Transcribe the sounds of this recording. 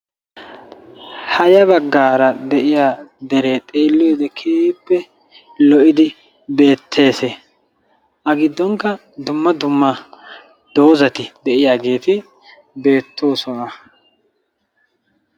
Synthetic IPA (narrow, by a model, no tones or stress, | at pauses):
hɐjɐbɐɡːaːɾɐd̪ɛʔɪjaːd̪ɛɾeːt̪ʼeːlːɔjɔd̪ɛkʰipːɛ | lɔʔɪd̪ɪ | be̞ːt̪ʰːe̞ːse | ʔɐɡɪd̪ːɔŋkːɐ | d̪ʊmːɐd̪ʊmːɐ | d̪̥o̞ːzɐt̪ɪd̪ɛʔɪjaːɡe̞ːt̪ɪ | be̞ːt̪ʰːoːsɔnɐ